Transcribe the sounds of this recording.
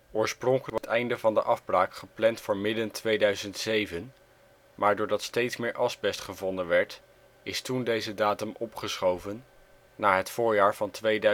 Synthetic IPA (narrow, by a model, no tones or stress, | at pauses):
oːɹsprɔŋkətɛjndəvɑndəʔɑfbraːkχəplɛntfʊːɹmɪdəntʋejdœɥzəntsejvən | maːɹdʊːɹdɑtstejtsmɪːɹʔɑzbɛstχəvɔndənʋɛɹt | ɪstundejzədaːtɵmɔpχəsχowvənː | aːɦətfʊːɹjaːɹvɑntʋejdœ